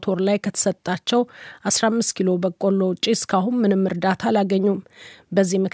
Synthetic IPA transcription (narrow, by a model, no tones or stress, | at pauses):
t̪ʰoɾlajkʰət̪ʰə̥sət̪ʼːat͡ʃːɛwʔasɾamːɨst̪kʰilo̞bəkʼolːot͡ʃʼiskʰaɦunmɨnɨmːɨɾd̪at̪ʰalaɡəɲːumbəzːimək